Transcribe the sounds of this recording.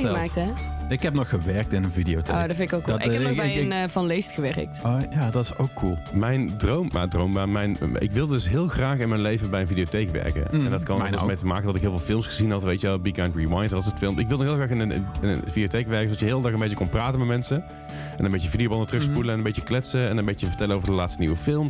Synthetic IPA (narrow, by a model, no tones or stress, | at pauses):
maːk̚tɛɪkhɛp̚nɔxəʋɛɹk̚tɪnənvidiowtḛdɔtfɪnɪkoku | nvɑnlejstxəʋɛrə̰k̚tjadɑtɪsowkʰːulˠmɛjndrowma̰drowmbaːmɛjn̰ɪ̰kʋɪlˠdədɵsɦɪːlˠxraːxɪnmɛjnlejvəbɛjənvidiotejkʋɛ̰ɹkə̰ɛndɑtkɑndɑtmejtəmaːkəndɑtɪkɦɪːlˠvɪːlˠfɪlˠmsχəzinɦɑtʋejtəɛlˠbiɡantɹiwajntʋɑtsətfɪlˠmɪkʋɪlˠənɔxɦɪːlˠxraːxɪnən̰nɪnə̰vidiotejkʋɛɹkəsodɑtjəɦɪːlˠdɑxənmbejtəkonpraːtənmɛtmɛnsə | ɛnəmbejəəvidiowbɑndətrɵxs̬pudələnəmbejtəklɛtsəɛnəmbejtəjəvəɹtɛləowvəɹdəlaːtstəniʋəfɪlˠm